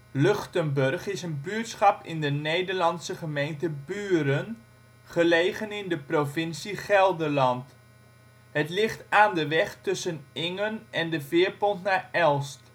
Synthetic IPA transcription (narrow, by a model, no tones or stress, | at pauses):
lɵχtənbɵrχɪsənbyːətsχɑpɪ̰ndənejdəɹlɑnsəχəmejntəbyːɾən | χəlejχənɪndəprovɪnsiχɛlˠdəɹlɑnt | ɦətlɪχtaːndəʋɛχtɵsənɪŋənɛndəvɪːəɹpɔntnaːɹɛlˠst